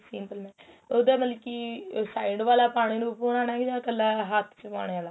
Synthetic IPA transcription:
siːmpəlmɛ̃ː | ʊd̪aːmət̪ləbkiːsaːɪɖʋaːlaːpaːɽ̃iːnũpuːnaːnaːɡd͡ʒãːkəlːaːɦat̪ʰt͡ʃəpa̰ːɽeaːlaː

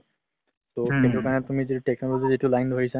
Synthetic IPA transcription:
tokentukaɹɔnɛtumizituʈeknɔloɡzizitulajnbʱoisa

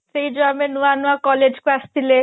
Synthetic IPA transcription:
ed͡ʒoamenuanuakɔled͡ʒkast̪ʰile

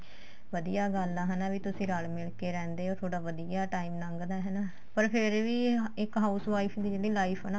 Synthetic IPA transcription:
ʋəd̪ijaːɡəlːaːɦɛːnaːʋiːt̪ʊsĩːɾalmɪlkeːɾɛ̃ːnd̪eːoːɾt̪ʰoːɽaːʋəd̪ijaːʈaːiːmnəŋɡd̪aːɦɛːnaː | pəɾpʰɪɾʋiːɪkɦaːusʋaːipʰd̪iːd͡ʒeːɽiːlaːipʰɛnaː

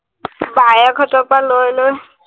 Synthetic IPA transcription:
bajakʰɔtɔpalojloj

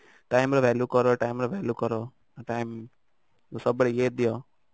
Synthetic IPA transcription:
ʈaːɪmɾoʋɛljukəɾoʈaːimɾoʋeljukəɾo | ʈaːɪm | səbɽejeːd̪ijo

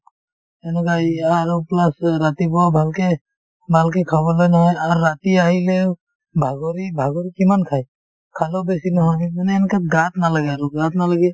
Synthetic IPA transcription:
ɛnɔkajaɾuplasɾat̪ibɔabʱalke | bʱalkɛkʰaβɔlɔjnaɦɔjaɾːat̪iaɦile | bʱaɡɔɾibʱaɡɔɾikimankʰaj | kʰalɔbesinɔɦɔmanɛːnkat̪̚ɡat̪nalaɡɛaɾuɡat̪̚nalaɡɛ

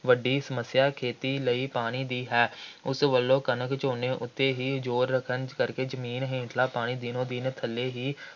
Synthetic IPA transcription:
ʋəɖiːsəməsːjaːkʰeːt̪iːləiːpaːɽ̃iːd̪iːɦɛːʊsʋəlːõːkənəkt͡ʃoːneːʔʊt̪ːeːɦiːd͡ʒoːɾːəkʰənkəɾkeːd͡ʒəmiːnɦẽːɳʈʰlaːpaːɽ̃iːd̪iːnõːd̪iːnːt̪ʰəlːeːɦiː

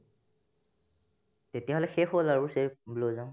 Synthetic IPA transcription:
tetijaɦolɛxexolaɹuseblozaʊ̃

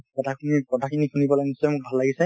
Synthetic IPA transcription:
kɔtʰakʰunikɔtʰakʰinikʰunibɔlanisɔjmʊk̚bʱalːaɡisɛ

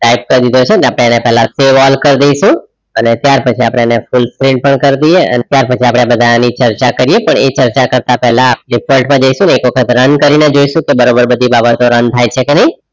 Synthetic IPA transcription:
ʈajp̚kəɾid̪id̪ʱot͡ʃʰeəneapɽ̃eənepɛɦlaseʋɔlkəɾd̪ejʃũ | ənet̪jaɾpət͡ʃʰiapɽ̃eənefulskɾiɳɖ̚pəɳkəɾd̪ijeə̰net̪jaɾpət͡ʃʰiapɽ̃ebəd̪ʱanit͡ʃəɾt͡ʃakəɾijepəɳet͡ʃəɾt͡ʃakəɾt̪apɛɦlaːp̚ɖifəlʈmãd͡ʒəjʃũneːkʋəkʰət̪ɾənkəɾined͡ʒojʃũkebəɾobəɾbəd̪ʱibabət̪oɾənt̪ʰajt͡ʃʰekenəĩ

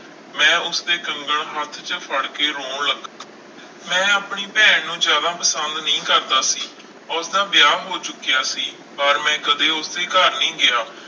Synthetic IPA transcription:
mɛ̃ːʊsd̪eːkəŋɡəɭɦət̪ʰt͡ʃəpʰəɽkeːɾoːɳləɡ | mɛ̃ːaːpɳiːpɛːɳnũːzjaːd̪aːpəsənd̪nəĩːkəɾd̪aːsiː | ʊsd̪aːbɪjaːɦoːt͡ʃʊkːijaːsiː | pəɾmɛ̃ːkəd̪eːʊsd̪eːkəɾnĩːɡɪjaː

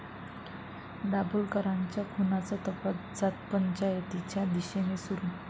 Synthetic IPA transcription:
ɖabulkəɾaɲt͡ɕjakʰunat͡sat̪əpad͡zat̪̚pəɲt͡ɕajet̪it͡ɕjad̪iɕenesuɾu

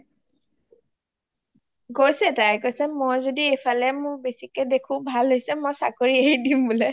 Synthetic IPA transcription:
ɡojsɛtajkojsɛmojzodiejpʰalɛmʊɹbesikɛdekʰʊ̃bʱalɦojsɛmojsakoɹiejdimbʊlɛ

